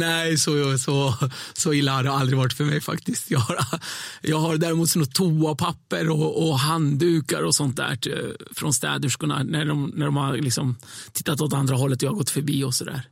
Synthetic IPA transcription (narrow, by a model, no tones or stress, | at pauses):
nɛjsɔsɔsɔɪlːahad̪ɛald̪ɾɪɡvaʈːfœɾmɛjfa̰kt̪ɪst̪jɑhaɾjɑːɡɦaɾd̪æːɾɪmuːt̪sɔnɔt̪ʰuːapʰapːəɾɔɔɦand̪ʉ̟ːkaɾɔsɔnt̪̚d̪æ̰ːʈfɾɔnst̪ɛ̰ːd̪ʉʂkʊna̰næɖɔmnæɖɔmhaɾlɪksɔmt̪ʰɪ̥t̪ːat̪ɔt̪and̪ɾaɦɔlːət̪ɔjɑhaɡɔt̪ːfœɾbiːɔsɔd̪æ̰ːɾ